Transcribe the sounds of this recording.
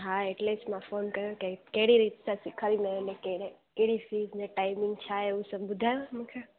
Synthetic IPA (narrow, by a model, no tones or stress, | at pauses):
ɦaeʈlesmãfoːnkɐɾjokekeɦɪɽiɾiːt̪sasɪkʰaɾinɐnẽkeɽekeɽifiːznẽʈaːɪmɪ̃ŋɡt͡ʃʰaeusɐbbʊd̪ʱaːjõmũkʰe